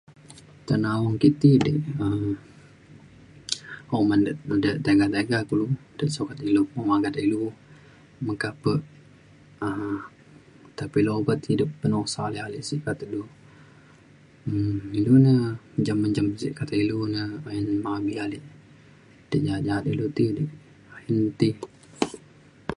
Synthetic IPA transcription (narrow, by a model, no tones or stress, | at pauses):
t̪ənawɔŋkit̪idəʔəm | omanəʔdəʔt̪aɡat̪aɡakulud̥əʔsukat̪ilumomaɡat̪ilu | məkapəʔ | ə | t̪apiloobət̪hidəpːənosalialiʔsiʔkat̪ədu | ilunəd͡ʒamːənd͡ʒamsḭʔkat̪əilunəənmabialiʔ | d̥əʔd͡ʒaɦat̪̚d͡ʒaɦat̪ilut̪idəʔ | hənt̪i